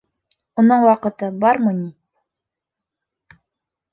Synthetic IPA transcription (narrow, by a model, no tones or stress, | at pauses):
unɤɴwɑqɤ̆t̪ɤbɑɾmɤni